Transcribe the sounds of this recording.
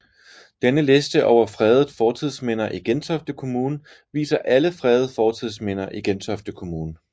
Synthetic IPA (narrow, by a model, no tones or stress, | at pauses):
d̥enəle̝sd̥əʔɒʊɐfʁɛðˠð̩ˠfɒːt͡sʰiðˠsmen̰ɐʔiɡ̥ent͡sʰɒfd̥əkʰo̝muːnə | ʋḭːsɐʔæləfʁɛð̩ˠfɒːt͡sʰið̰ˠsmen̰ɐʔiɡ̥ent͡sʰɒfd̥əkʰo̝muːnə